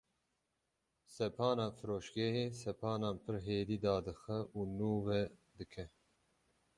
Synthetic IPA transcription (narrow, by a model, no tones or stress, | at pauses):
sɛpʰɑːnɑːfɨɾoːʃɡɛɦeːsɛpʰɑːnaːnpʰɨɾɦeːd̪iːd̪ɑːd̪ɨxɛʔuːnuːvɛd̪ɨkʰɛ